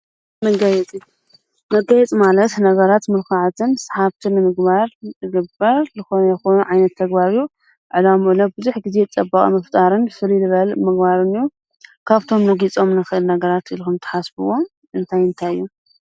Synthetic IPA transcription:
mɐɡɐjɛt͡sʼi | mɐɡɐjɛt͡sʼmalɐt̪nɐɡɐɾat̪mɨɾkʰaʕt̪ʰɨnsḁħaβt̪ʰɨnːɨmɨɡbaɾzɨɡɨbɐɾzɨxoɛxonuʕajnɐt̪ʰːɐɡbaɾu | ʕɨlamɨʔlɐbɨzuħɡize̞t͡sʼɐbːakʼḭmɐft̪ʼaɾɨnfɨlilɨβɐlmɨɡbaɾɨnɨju | kʰaβt̪ʰo̞mnɐɡit͡sʼo̞mnɨxɨʔɨlnɐɡɐɾat̪ilkumt̪ʰɐ̥ħasbɨwo̞m | ʔɨnt̪ʰajɨnt̪ʰajɨjːu

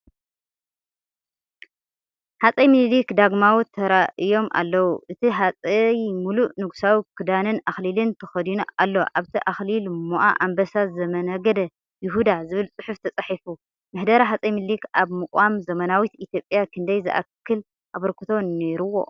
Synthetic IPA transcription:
ħat͡sʼɐjmɨllikd̪aɡmawut̪ʰɐɾaʔɨjo̞mʔa̰lːɐwuʔɨt̪ʰiɦat͡sʼɐjmuluʔnɨɡu̥sawikʰɨd̪anɨnaxlilɨnt̪ʰɐxɐd̪inalːo̞ʔaβt̪ʰiʔaxlilmoʔa̰ʔambɐsazɐmɐnɐɡɐd̪ɐ | jɪɦud̪azɨβɨlt͡sʼɨħuft̪ʰɐt͡sʼɐħifu | mɨħd̪ɐɾaɦat͡sʼɐjmɨllikʔaβmɨkʼamzɐmɐnawit̪it̪jo̞pʼjakʰɨnd̪ɐjzɨʔa̰kʰːɨl | ʔaβɐɾkʰɨ̥t̪ʰo̞nneɾuwo̞̰

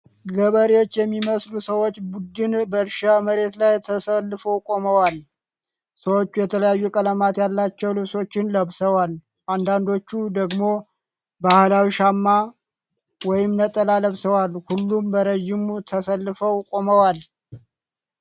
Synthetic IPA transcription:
ɡəβəɾewo̞t͡ʃːjɛmːiməslusəwo̞t͡ʃːbud̪ɨnbəɾʃaməɾe̞t̪lajt̪ʰəsəlːɨfəwkʼo̞məwal | səwot͡ʃːujɛt̪ʰələjajːukʼələmat̪jalːat͡ʃːɛwlɨβso̞t͡ʃːɪnləβsəwal | ʔand̪and̪o̞t͡ʃːud̪əɡmo̞ | bahlawiʃamːa | wɔjɪmnət̪ʼəlaləβsəwalhulːumbəɾəʒɪmut̪ʰəsəlːɨfəwkʼo̞məwal

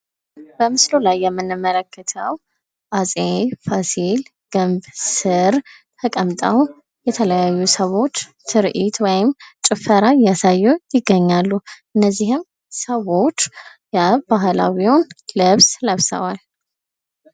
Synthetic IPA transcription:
b̥əmɨslolajːɛmːɨnːɨmːələkʰːət̪ʰəw | ʔasʼefasil | ɡ̥ɨmbsɨɾ | t̪ʰəkʼəmt̪ʼəw | jɛt̪ʰələjajːusəwo̞t͡ʃːsʰɨɾʔit̪wɔjɪmt͡ʃʼɪfəɾajasajːujɪɡːəɲːalːuʔɨnːəzːihɪm | səwo̞t͡ʃː | jəbaɦla̰wionlɨβsləβsə̰wal

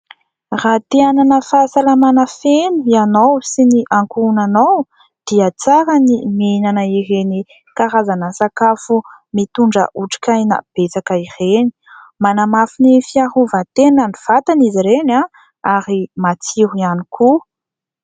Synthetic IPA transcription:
rat̪eananəfasalamanafenuianowsiniʔaŋkuunanow | d̪̥iat͡saɾənimenanəiɦeni | kaɾazanəsakafu | mit̪uɳɖ͡ʐə̰ʔuʈ͡ʂi̥kʲajna̰b̥et͡sakaireni̥ | manamafinifiaɦuvat̪enaniv̥at̪aniziɾena | aɾimat͡siɦuianiku

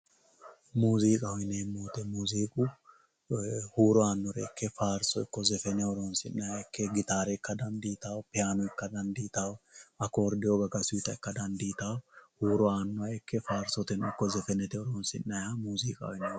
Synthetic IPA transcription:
muːziːkʼɐhɔjneːmːoːt̪ɛmuːziːkʼʊ | huːɾɔaːnːɔɾɛ̰kːɛfaːɾsɔɪkːɔzɛfɛnɛɔɾoːnsɪnːɐjaɛkːɛɡɪt̪aːɾɛɪkːɐd̪ɐnd̪iːt̪aːwpɛaːnɔɪkːɐd̪ɐnd̪iːt̪awɐkoːɾd̪ɪjɔɡɐɡɐsʊjt̪ɐɪkːɐd̪ɐnd̪iːt̪awhuːɾɔaːnːɔɐɛkʰːɛfaːɾsɔt̪ɛnɪkːɔzɛfɛnɛt̪ɛɔɾɔːnsɪnːɐjamuːziːkʼɐ̰ɔɪnɛ

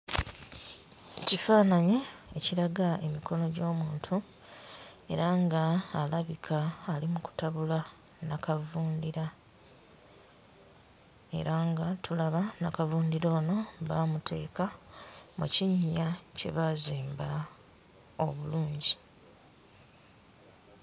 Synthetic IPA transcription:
cifaːnaɲeeciɾaɡae̞miko̞no̞ɟo̞ːmuːntʰu | e̞̰ɾaŋɡaːlaβikʰaːlimuku̥taβula | nakavuːndiɾa | e̞̰ɾaŋɡatʰulaβanakavuːndiɾo̞ːno̞βaːmutʰe̞̰ːkamṵciɲːace̞̰βaziːmba | o̞̰βuluːɲɟi

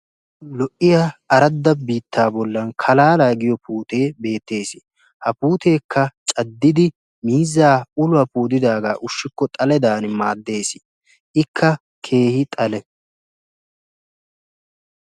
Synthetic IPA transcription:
lɔʔɪjaɐɾɐd̪ːɐbiːt̪ːaːbɔlːɐnkʰɐlaːlaːɡɪjɔpuːt̪e̞ːbe̞ːt̪ːe̞ːsɪ̥ | hɐpuːt̪e̞ːkːɐt͡ʃʼɐd̪ːɪd̪ɪ | miːzːaːʊlʊɐpuːd̪ɪd̪aːɡa̰ːʔʊʃːɪkːɔt̪ʼɐlɛd̪aːnmaːd̪ːe̞ːsɪ̥ | ɪkʰːɐ | kʰe̞ːhɪt̪ʼɐlɛ

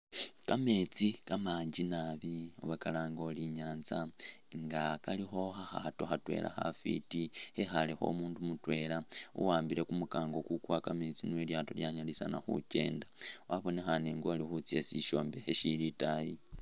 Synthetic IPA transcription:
kame̞t͡sikamaːɲd͡ʒinaβio̰βakalaːŋɡo̞liɲaːnzaŋɡakalixo̞xaxato̞xatwe̞̰la̰xa̰fḭtihexalexo̞̰ːmuːndumutwe̞laṵwaːmbiɾe̞kumukaːŋɡo̞kukwakame̞t͡sinweljaːto̞ljaɲalisanaxṵce̞̰ːndawaβo̞ne̞xaneŋɡoalixut͡siesiʃo̞ːmbe̞xeʃilitaji

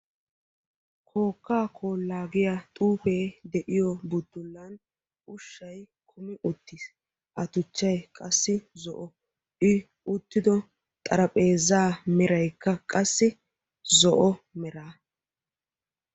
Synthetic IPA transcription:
kʰo̞ːkːaːkʰoːlːaːɡɪjat̪ʼuːfeːd̪ɛʔɪjɔbʊd̪ːʊlːɐn | ʔʊʃːɐj | kʰʊmɪʔʊt̪ːiːs | ʔɐt̪ʊt͡ʃːɐjkʼɐsːɪzɔʔɔ | ɪ | ʊt̪ːɪd̪ɔ | t̪ʼɐɾɐpʼe̞ːzaːmɛɾɐjkːɐkʼɐsːɪ | zɔʔɔmɛɾaː

